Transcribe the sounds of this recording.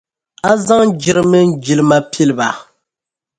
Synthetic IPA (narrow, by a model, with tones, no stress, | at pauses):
a˦za˦ŋd͡ʒi˦ɾɨ˦mɨ˦n˦d͡ʒi˨lɨ˦ma˦pʰi˦lɨ˨ba˨